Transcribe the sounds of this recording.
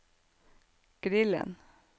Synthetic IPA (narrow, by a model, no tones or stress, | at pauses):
ɡ̥ɾɪlə̰n